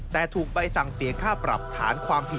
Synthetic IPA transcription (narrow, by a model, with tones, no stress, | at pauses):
t̪ɛː˨˩t̪ʰuː˨˩k̚pa˧jsa˨˩ŋsi˨˩˦kʰaː˥˩pɾa̰˨˩p̚t̪ʰaː˩˦˥nkʰwaː˧mpʰi˨˩